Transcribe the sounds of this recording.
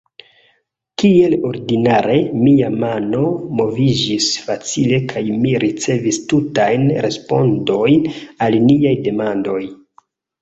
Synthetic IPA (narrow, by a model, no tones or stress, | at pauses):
kie̞lo̞ɾdinaɾe̞miamano̞mo̞vid͡ʒisfat͡sile̞kʰajmiɾʔit͡se̞vistutajnɾe̞spo̞̰ndo̞jnalniajde̞mando̞j